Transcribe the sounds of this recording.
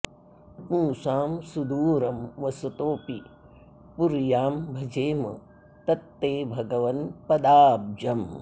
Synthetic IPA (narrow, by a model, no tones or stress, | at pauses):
pũːsaːmsud̪uːɾɐmʋɐsɐt̪oːpi | puɾjaːmbʱɐd͡ʒeːmɐ̰ | t̪ɐt̪ːeːbʱɐɡɐʋɐnpɐd̪aːb̚d͡ʒɐm